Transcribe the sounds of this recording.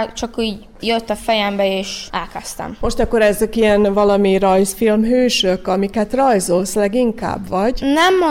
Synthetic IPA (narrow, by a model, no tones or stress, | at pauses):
t͡ʃɒkiːɟ | jøt̪ːɒfɛjɛmbɛeːʃʔaːlkɛst̪ɛ̰mmo̞ʃt̪ɒkːoɾɛzøkiɛnvɒlɒmiɾɒjsfilmɦøːʃøkɒmikɛt̪rɒjzolslɛɡiŋka̰ːbʋɒɟnɛmːo